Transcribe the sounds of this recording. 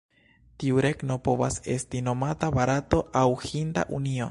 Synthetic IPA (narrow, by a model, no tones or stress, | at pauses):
tiuɾe̞ɡno̞po̞vase̞̰stino̞matabaɾato̞ʔawhinda̰ʔunio̞̰